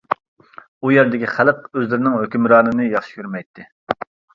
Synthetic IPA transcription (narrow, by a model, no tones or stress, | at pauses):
ujæɾd̪ɪkʲiχælˠəqøzlɪɾɪnɪŋhøkʲymɾɑːnɨnɨjɑχʃi̥kʲʰyɾmɛjt̪ʰːɪ